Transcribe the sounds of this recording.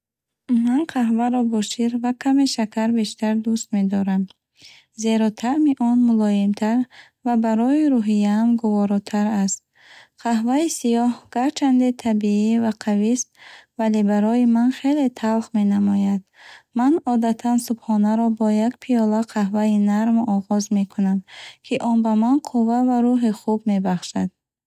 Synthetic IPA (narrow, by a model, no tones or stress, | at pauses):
manqʰaɦvaɾɔbɔʃiɾvakʰameʃakʰaɾbe̞ʃt̪aɾd̪ust̪me̞d̪ɔɾam | ze̞ɾɔt̪ʰaʔmiʔɔnmulɔimt̪ʰaɾ | vabaɾɔiɾuɦijaːmɡuvɔɾɔt̪ʰaɾast̪̚ | qʰaɦvaisijɔhɡ̥aɾt͡ʃʰand̪et̪ʰabiivaqʰavist̪valebaɾɔjimanχe̞le̞t̪ʰalχme̞namɔjad̪manɔd̪at̪ʰansubχɔnaɾɔbɔjakpʰijɔlaqʰahvainaɾmɔʁɔzme̞kʰunamkʰiʔɔnbamanqʰuvavaɾuɦiχubme̞baχʃad̪̥